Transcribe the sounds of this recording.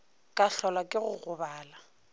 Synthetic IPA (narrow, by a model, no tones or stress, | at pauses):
kʼaɬɔlakʼɪɣʊɣʊbaːla